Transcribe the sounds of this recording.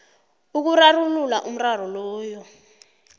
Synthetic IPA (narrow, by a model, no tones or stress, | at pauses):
uk̬urarululaʔum̩rar̤ɔlɔːjɔ